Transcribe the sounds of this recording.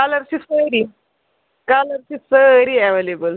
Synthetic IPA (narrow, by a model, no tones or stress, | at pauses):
kaləɾsisəɾi | kaləɾsisəɾiɛʋelebəl